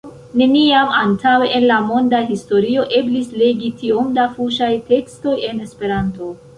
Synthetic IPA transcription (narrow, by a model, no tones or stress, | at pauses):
ne̞niamantʰaweʔenlamo̞ndaɦisto̞ɾio̞ʔe̞blisle̞ɡitʰio̞mdafuʃajte̞ksto̞je̞ne̞spe̞ɾanto̞